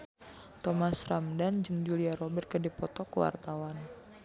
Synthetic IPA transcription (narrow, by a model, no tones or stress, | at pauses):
t̪ɔmasramdand͡ʒəŋd͡ʒuliaɾɔbɛrt̪̚kədipɔt̪ɔkə̰wa̰rt̪awan